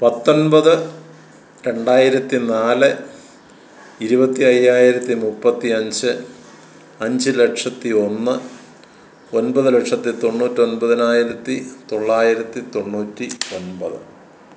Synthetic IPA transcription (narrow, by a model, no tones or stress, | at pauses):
pɐt̪ːo̞nbɐðɨ | ɾe̞ɳɖaːjiɾɐt̪ːinaːlɨ | iɾubɐt̪ːiɐjːaːjiɾɐt̪ːimupːɐt̪ːiɐɲd͡ʑɨ | ɐɲd͡ʑɨle̞ʈʂɐt̪ːio̞nːɨ | o̞nbɐðɨle̞ʈʂɐt̪ːit̪o̞ɳːuːtːio̞nbɐðinaːjiɾɐt̪ːit̪o̞ɭːaːjiɾɐt̪ːit̪o̞ɳːuːtːio̞nbɐðɨ